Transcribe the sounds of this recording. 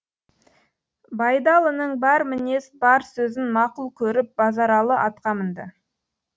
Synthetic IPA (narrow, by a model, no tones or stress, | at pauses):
bɑjd̪ɑlˠənəɴbɑɾmɪne̞sbɑɾsɵzɪnmɑqʊlˠkʲʰɵɾɪp̚bɑzɑɾɑlˠəʔɑt̪qɑmənd̪ə